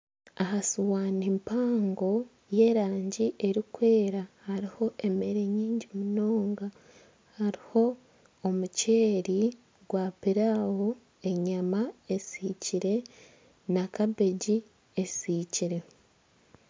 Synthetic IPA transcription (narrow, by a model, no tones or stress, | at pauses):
aɦasuwaːnimpaːŋɡo̞ | je̞ːɾaːɲɟiʔe̞ɾikwe̞ːɾahaɾiho̞ʔe̞me̞ɾe̞ɲiːɲɟimuno̞ːŋɡa | haɾiho̞ː | muceːɾi | ɡwapiɾawo | e̞ɲamae̞siciɾe̞ | nakabe̞ɟi | esiciɾe̞